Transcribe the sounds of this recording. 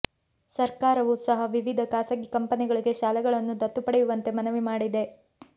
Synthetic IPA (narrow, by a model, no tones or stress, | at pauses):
sɐɾkaːɾɐʋuːsɐɦɐʋiʋid̪ʱɐkaːsɐɡikɐmpɐniɡɐɭiɡe̞ʃaːlɛɡɐɭɐnːud̪ɐt̪ːupɐɽejuʋɐnt̪e̞mɐnɐʋimaːɽid̪e̞